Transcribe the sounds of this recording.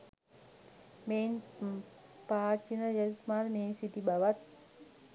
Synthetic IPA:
men | paːt͡ʃinəjat̪maɾmeːnsit̪ibaʋat̪

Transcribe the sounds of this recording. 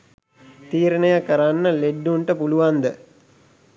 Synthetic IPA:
t̪iːɾənəjakəɾanːəleɖːuɳʈəpuluʋand̪ə

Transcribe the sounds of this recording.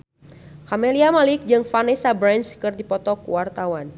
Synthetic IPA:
kameliamalɪk̚d͡ʒɨŋfanɛsabɾanskɨrdipɔt̪ɔkwart̪awan

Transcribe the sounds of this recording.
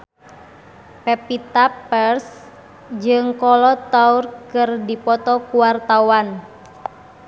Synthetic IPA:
pɛpit̪appɛrs | d͡ʒɨŋkɔlɔt̪aurkɨrdipɔt̪ɔkuwart̪awan

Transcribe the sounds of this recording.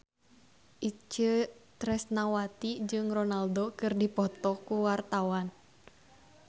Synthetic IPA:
ʔit͡ʃət̪ɾɛsnawat̪id͡ʒɨŋrɔnaldokɨrdipɔt̪ɔkuwart̪awan

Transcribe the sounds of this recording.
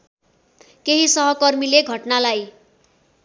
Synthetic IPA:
keɦisʌɦʌkʌrmileɡʱʌʈnalaj

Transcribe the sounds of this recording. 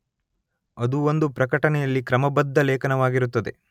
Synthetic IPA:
ɐd̪uond̪upɾɐkɐʈɐnɛjɐlːikɾɐmɐbɐd̪ʱːɐlɛːkɐnɐʋaːɡiɾut̪ːɐd̪e̞̰

